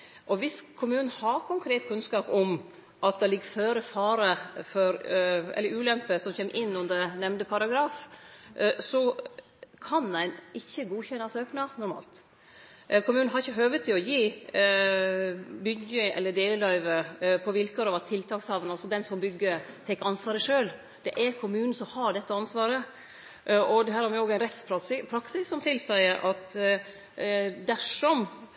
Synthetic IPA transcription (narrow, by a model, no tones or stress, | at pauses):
ʔɔʋɪskʰʊmʉːnən̩hɑkʰʊŋkʰɾeːt̪kʰʉnskɑːpɔm | ʔɑt̪̚d̪ɛlɪɡəføːɾəfɑːɾəfɔɾɛ̰lːəɾʉːlɛmpəsɔmçeːmʔɪnːʉnd̪ənɛmnd̪əpʰɑɾɑɡɾɑːf | sɔ | kʰɑnæɪnɪçːəɡuːçɛnːɑsøːknɑnʊɾmɑ̰ːlt̪ | kʰʊmʉːnn̩ɦɑɾɪçːəɦøːʋət̪ʰːɪlɔjiː | bʏɡəʔɛ̰lːəɖ̪eːləlɑɪʋəpʰɔʋɪlkəɾɑʋɑt̪ʰːɪlt̪ʰɑːkshɑʋənɑlsɔd̪ɛnsɔmbʏɡːət̪ʰɛɪkːɑnsʋɑːɾəʂøːl | d̪̥ɛʔæɾkʰʊmʉːnn̩sɔmhɑɖɛt̪ːəɑnsʋɑːɾə | ʔʔɔd̪ɛɦæːɾhɑɾmʋɪoːɡæɪnɾɛt̪spʰɾɑpʰɾɑksɪsːɔmt̪ʰɪlsæɪəɾʔɑt̪ | d̪æʂɔm